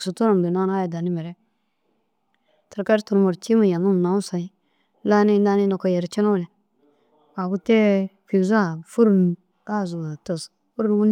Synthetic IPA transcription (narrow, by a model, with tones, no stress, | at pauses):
su˨tu˦na˨m˨bi˨na˦n˦a˦ja˨da˨ni˦me˨ɾe˦ | tə˨ɾka˦ɾi˦tu˨ɾmo˨ɾt͡ʃi˦ma˨ja˨mu˦m˨na˨wu˦sa˨i˦ | la˦ni˦da˦ni˦no˨ko˨je˨ɾt͡ʃi˦no˦˨le˨ | wa˨ɡu˦te˦fi˨za˦˨fu˦ɾu˨n | ka˦˨zu˨a˨tə˨s | fu˦ɾu˦wu˦